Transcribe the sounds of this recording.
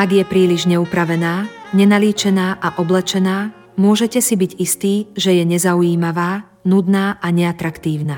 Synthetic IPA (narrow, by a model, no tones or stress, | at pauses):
aɡjɛpɾiːliʒɲɛupɾaʋɛnaːɲɛnaliːt͡ʃɛnaːʔaʔɔblɛt͡ʃɛnaː | mʊɔʒɛcɛsibiɟist̪iːʒɛjɛɲɛzaujiːmaʋaː | nud̪naːʔaɲɛat̪ɾakt̪iːʊnaː